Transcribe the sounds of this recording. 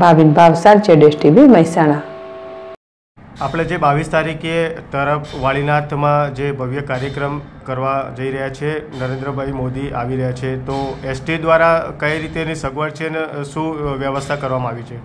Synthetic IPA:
bʱaʋinbʱaʋsaɾd͡ʒeɖesʈiʋiməjsaɽ̃a | apɽ̃ad͡ʒebaʋist̪aɾiket̪əɾəfʰʋaɭinaɾt̪ʰmãd͡ʒebʱəʋjəkaɾjəkɾəmkəɾʋad͡ʒəiɾəɦjat͡ʃʰenəɾend̪ɾəbʱaimod̪iaʋiɾəɦjat͡ʃʰet̪oesʈid̪ʋaɾakəiɾit̪enisəɡʋəɳt͡ʃʰeneʃũʋjəʋəst̪ʰakəɾʋamãaʋit͡ʃʰe

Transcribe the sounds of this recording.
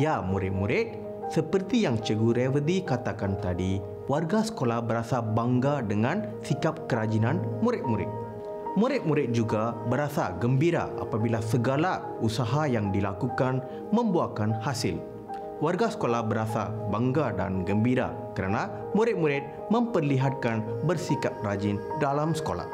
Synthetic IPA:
jamũɾɪt̪̚mũɾɪt̪̚ | səpərt̪ijaŋt͡ʃəɡuɾɛwəd̪ikat̪akant̪adi | warɡasə̥kolahbəɾasabaŋɡadəŋãn | sikap̚kəɾad͡ʒinanmuɾɪt̪̚muɾɪ̰t̪̚ | mũɾɪt̪̚muɾɪt̪̚d͡ʒuɡabəɾasa̰ɡəmbiɾa̰ʔa̰pabilasəɡala | usaɦajaŋdilakukan | mə̃mbuakanhasɪl | warɡasə̥kolahbəɾasa̰baŋɡada̰nɡəmbiɾa̰ | kəɾanã | mũɾɪt̪̚muɾɪt̪̚ | mə̃mpərliɦat̪̚kanbərsikap̚rad͡ʒindalamsə̥kola̰h

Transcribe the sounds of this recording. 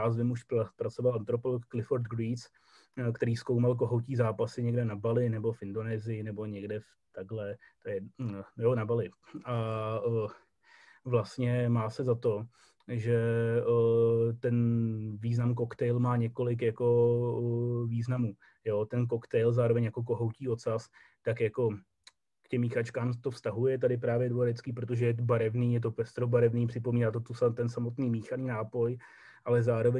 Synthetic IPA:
aːzvɪmuʃpɾat͡so̞valʔant̪ɾo̞polokːlɪfoɾt̪ɡɾiːt͡s | kt̪ɛɾiːsko̞wmalk̬oɦowciːzaːpasɪɲɛɡdɛnabalɪnɛbo̞fɪndo̞nɛːzɪjɪnɛbo̞ɲɛɡdɛf | t̪aɡlɛt̪ojɛjonabalɪʔa | vlast̪ɲɛmaːsɛzat̪o̞ | ʒɛ | t̪ɛnviːznamkokt̪ɛjlmaːɲɛko̞lɪkjako̞ | viːznamuː | joːt̪ɛnk̬o̞kt̪ɛjlzaːɾo̞vɛɲjako̞k̬o̞ɦo̞wciːo̞t̪sas | t̪akjako̞ | kcɛmːiːxat͡ʃkaːmt̪o̞fst̪aɦujɛt̪adɪpɾaːvjɛdoaɾɛt͡skiːpɾot̪o̞ʒɛjɛt̪̬obaɾɛvniːjɛt̪̬o̞pɛst̪ɾobaɾɛvniːpr̝̥ɪpomiːnaːt̪ot̪usat̪ɛnsamot̪niːmiːxaniːnaːpo̞j | ʔalɛzaːɾo̞vɛ

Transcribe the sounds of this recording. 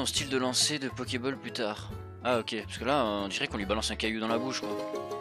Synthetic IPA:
ɔ̃st̪ild̪əlɑ̃sed̪əpɔkʲebɔlplyt̪aːʁ | aɔkʲepḁskəlaɔ̃d̪iʁɛkɔ̃lɥibalɑ̃sɛ̃kajud̪ɑ̃labuʃkwa

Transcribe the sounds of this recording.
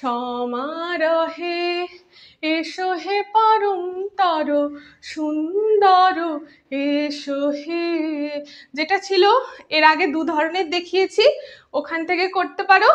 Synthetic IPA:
ʃɔmaɾɔɦe | eʃoɦepɔɾont̪ɔɾo | ʃund̪ɔɾo | eʃoɦe | d͡ʑeʈat͡ɕʰiloeɾaɡed̪ud̪ʱɔɾoneɾd̪ekʰijet͡ɕʰiokʰant̪ʰekekoɾt̪epaɾo

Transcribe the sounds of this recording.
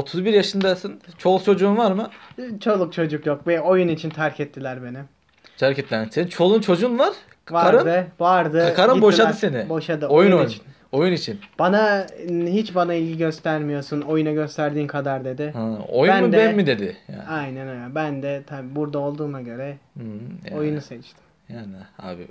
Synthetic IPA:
ot̪ʰuzbiɾjaʃɯnd̪asɯnt͡ʃʰo̞lˠkt͡ʃʰo̞d͡ʒuːnvaɾmɯt͡ʃʰo̞lˠuk̚t͡ʃʰo̞d͡ʒukjok̚vɛo̞junit͡ʃʰint̪ʰæɾcʰɛt̪ʰːilʲæɾbe̞nim | t̪ʰæɾcɛt̪ːilʲæɾmsenit͡ʃʰo̞lˠunt͡ʃʰo̞d͡ʒuːnvaɾ̥ | vaaɾɯd̪ɯvaɾd̪ɯkʰaɾɯmboʃad̪ɯsenɪbo̞ʃad̪ɯojunojut͡ʃin | ojunit͡ʃʰinb̥anaɦit͡ʃbanailʲɟiɟø̞st̪ʰæɾmijo̞suno̞junaɟø̞st̪ʰæɾd̪iːmkʰad̪aɾd̪e̞d̪ɪhao̰jubænmd̪bɛnmid̪e̞d̪ɪja̰ajnɛnajnɛnbænd̪ɛt̪ʰabibuɾd̪ao̞lˠd̪uːmaɟø̞ɾɛ | ojunuset͡ʃt̪ʰɪ̥m | janɛa̰ːbɪ̰

